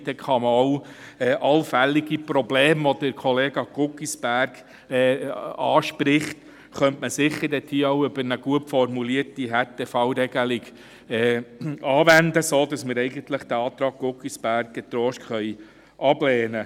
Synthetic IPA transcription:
d̥̪ɛkχɑməɔʊɛːʔɑlfælːiɡipɾɔbleːmʋɔd̥̪ɪɾkʰɔleːɡɑɡ̥ʊkisb̥æɾɡ | ɛːɑːʃpɾɪχt̪ | χœntməsɪχːəɾdɛt̪hiːowʏbəɾnəɡ̥uəpfɔrmuliːəɾtiɦɛtʰefɑwɾɛɡ̥əliɡ | ɛːɑːvændəsoːd̥ɑsməɾɛɪɡənt̪ləχd̥̪æɑːt̪ɾɑːɡ̚ɡ̥ʊkisb̥æɾk̚ɡɛt̪ɾɔːʃkχœj | ʔɑblɛːnə

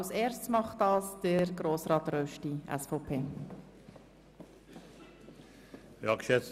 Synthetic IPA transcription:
seːɾst͡smɑχtɑːsd̥əɾɡɾoːsɾɑːt̪ɾœʃtiʔɛ̰sfɔpʰeː | ɑkʃɛt

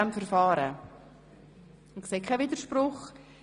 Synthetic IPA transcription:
antfəɾfɑːɾə | ʊnkseːkʰaɪviːdəɾʃpɾʊχ

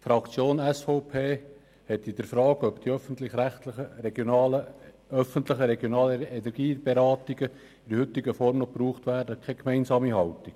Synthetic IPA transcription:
fɾɑkt͡sjoːnɛsfɔʊpʰeː | hɛt̪ːid̥əɾfɾɑːɡœpd̥iœfən̩tlɪχɾæχtlɪəɾɛɡjonɑːlə | œfənt̪lɪχəɾɛɡjonɑːləɛnɛɾɡ̥iːb̥eɾɑːt̪iɡə | ɪɾəhʏt̪ːɪɡəfɔɾmnɔpruːχtʋæːɾdəkʰχɛkmɛɪnsɑːmihɑltiɡ̥

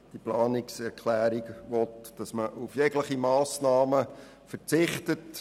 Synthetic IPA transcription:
d̥iplɑːnɪksɛɾkʰlæːɾiɡʋɔtd̥ɑsməʔufjɛɡləχimɑːsnɑːmə | fəɾt͡sɪχtət

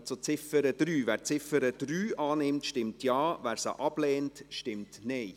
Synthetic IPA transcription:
t͡sot͡sɪfəɾəd̥ɾyːvæːɾt͡sɪfəɾəd̥ɾyːʔɑːnɪmtʃtɪmtʰjɑːʋæːɾsə̰ʔɑb̥lɛːntʃtɪmtnɛɪ

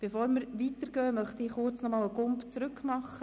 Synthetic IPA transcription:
b̥efoːɾməɾʋiːtəɾɡ̥œːmœχtiɪχʊrt͡snɔmɑːləɡʊmpt͡sɾʉkmɑχə

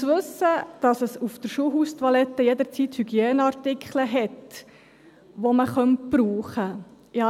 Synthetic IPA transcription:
sʋɵsːəd̥ɑsəsuft̪əɾʃuːɦuːstʋɑlɛtːəjɛd̪əɾt͡siːthyɡieːnəɑɾtɪkχləɦɛt | ʋoməχœnt̚pɾuːχə | ɪhɑ

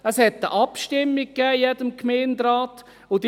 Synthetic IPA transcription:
əshɛtːə̰ʔɑpʃtɪmːik̚kːɛːjɛdəmkʰmeːndɾaːt | ʊd

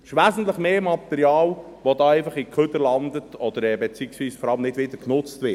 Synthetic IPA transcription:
ɪʃʋæːzən̩tləχmeːmɑt̪ɛɾiɑːl | ʋod̪ɑːɛɪfɑχikʰχød̪əlɑnd̪ətɔd̥̪əɾɛːbet͡syːksʋiːsfɔɾɑlmnɪdʋɪd̪əɾknʊt͡st̪ʋɪ

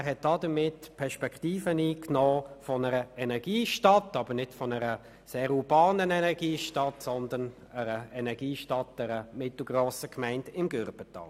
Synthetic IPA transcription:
æʁɦɛt̚d̥ɑdəmɪtpʰɛʁʃpɛkχtiːfəniːknɔːfɔnəɾəɛnɛʁɡ̥iːʃtɑtɑbəɾnɪtfɔnəɾə | seːɾubɑːnənɛnɛʁɡ̥iːʃtɑtsɔndən | əɾəɛnɛʁɡiːʃtɑt̚d̥ɛɾəmɪtl̩ˠɡ̥ʁoːsəkʰmɛɪndɪmɡøɾb̥ətɑ̰ːl

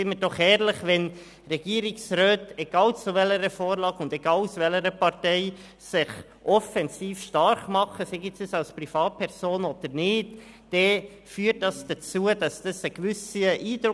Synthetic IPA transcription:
ɪnməd̥ɔχɛːɾləχʋɛn | ɾɛɡ̥iːɾɪksɾøːtɛɡ̥ɑːlt͡suvɛləɾəfoːɾlɑːɡʊndɛɡ̥ɑːlsʋɛləɾəpɑɾtɛɪ | sɪχ | ʔɔfɛnziːfʃtɑɾχmɑχəseɡisisɑlsprifɑːt̚pʰɛɾz̥oːnɔd̥̪əɾnɪːtː | ɛ | fyːəɾt̚dɑsd̥at͡suəd̥ɑsd̥ɑsəkʋʏsiʔiːd̥ɾʊ

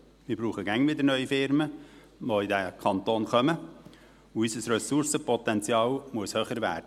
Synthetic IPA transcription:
mɪɾbɾuːχəɡæŋʋɪd̪əɾnœʏifɪɾmə | ʋoidækʰɑnt̪oːnχœmə | uysəsɾɛsʊɾsəpɔt̪ɛnt͡sjɑːlmuəshøːχəɾʋæ̰ːɾd̥ə

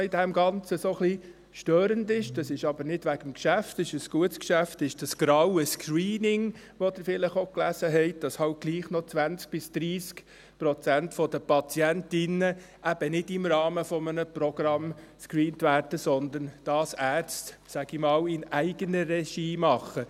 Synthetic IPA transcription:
ɪdæmɡɑnt͡səsoχli | ʃtøːɾəndɪʃd̥ɑsɪʃɑb̥əɾnɪd̥ʋæɡ̥əmkʃæftɪʃəsɡ̥uətskʃæftɪʃd̥ɑsɡ̥ɾɑwəskɹiːnɪŋ | ʋod̥̪ɪɾfɪləχoklæsəɦɛɪt̚d̥ɑshɑʊt̚ɡ̥liːχnɔt͡sʋænt͡sk̚b̥ɪsd̪̥ɾiːsk | pɾɔt͡sæntfɔdəpɑt͡sjæntɪnə | ʔæb̥ənɪdɪmrɑːməfɔmənəprɔɡ̥ɾɑmskɾiːntʋæːɾd̥əsɔnd̪ənd̥ɑːsæːt͡stsæɡ̥ɪmɑːwɪnæɪɡ̥ənəɾɛʃiːmɑχə

